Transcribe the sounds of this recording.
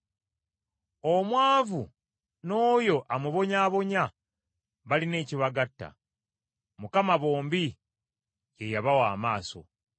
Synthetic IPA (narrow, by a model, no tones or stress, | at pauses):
o̞mwaːvu | no̞ːjo̞ʔamuβo̞ɲaːβo̞ɲa | βaline̞ːciβaɡatːa̰ | mukamaβo̞ːmbi | je̞jaβawaːmaːso̞̰